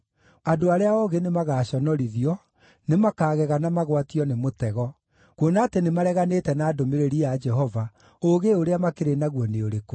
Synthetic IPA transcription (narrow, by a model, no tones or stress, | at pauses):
adoaɾeaɔɣenemaɣaːɕɔnɔɾiðiɔ | nemakaːɣɛɣanamaɣwatiɔnemotɛɣɔ | kwonaːtenemaɾɛɣanetɛnaːdomeɾeɾiad͡ʒɛɦɔva | oɣeoɾeamakeɾenaɣwɔneoɾeko